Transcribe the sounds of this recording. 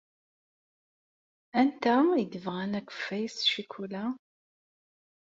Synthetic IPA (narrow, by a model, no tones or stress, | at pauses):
ænt̪æid̪əvʁænækʷːə̥fːæjsʃikʰulæ